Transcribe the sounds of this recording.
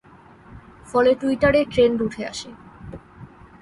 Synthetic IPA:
fɔleʈuiʈaɾeʈɾenɾuʈʰea̰ʃe

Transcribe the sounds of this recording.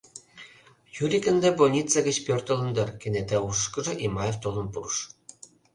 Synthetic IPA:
jyɾʲikə̆nd̪ebolʲnʲit͡seɡə̆t͡ɕpørt̪ɤ̆lɤ̆nd̪ɤ̆rkĕnet̪æukɤ̆ʒɤ̆ʔimɑjeft̪olɤ̆npurʃ

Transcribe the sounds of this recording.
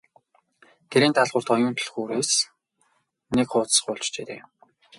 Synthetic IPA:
t̪ʰeɾiːnt̪ʰaɮʁʊ̆r̥t̪ɔjʊːnt̪ʰɵ̆ɮxuːɾeːs | nekχʊːt͡ssə̥̆χʊːɮt͡ɕt͡ɕeːt̪ḛː

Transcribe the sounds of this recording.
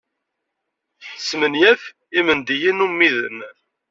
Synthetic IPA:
θħəsːmənjæf | imənd̪ijinumːiðə̰n

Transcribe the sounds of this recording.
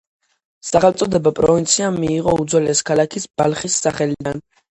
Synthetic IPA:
saχɛlmt̪sʼɔd̪ɛbapʼɾɔvint̪sʰiamiːʁɔud̪zwɛlɛskʰalˠakʰisb̥alχisːaχɛlid̪an

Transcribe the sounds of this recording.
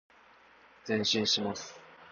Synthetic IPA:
d͡zẽ̞ɰ̃ɕĩɰ̃ɕimasɨ̥

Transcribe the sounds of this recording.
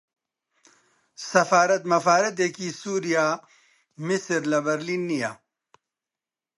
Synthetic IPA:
sɐfaːɾɐt̪mɐfaːɾɐt̪̬ekisuːɾijaː | misɾlɐbɐɾlinːijaː

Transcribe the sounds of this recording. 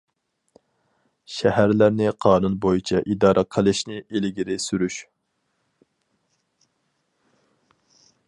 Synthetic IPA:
ʃɛhæɾlæɾnɪqʰɑːnunbojit͡ʃʰɛʔid̪ɑːɾʔɑqʰəlˠɨʃnɪʔelɡʲiɾɪsyɾyʃ

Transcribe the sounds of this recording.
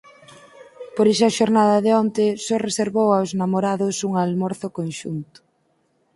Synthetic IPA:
poɾiʃɐʃoɾnaðɐðeɔnt̪ɪsɔreseɾβowawznamoɾaðʊsuŋalmɔɾθʊkonʃṵnt̪ʊ̥

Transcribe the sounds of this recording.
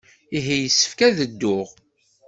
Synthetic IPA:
iɦijəsːə̥fkæðəd̪ːʊʁ

